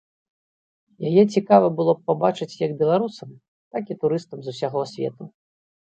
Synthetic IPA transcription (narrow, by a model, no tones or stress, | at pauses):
jajɛt͡sʲikavɐbɨlˠɔppabat͡ʂɨt͡sʲjɐɡbʲɛlˠaɾusɐm | t̪akit̪uɾɨst̪ɐmzusʲaɣɔsʲvʲɛ̰t̪u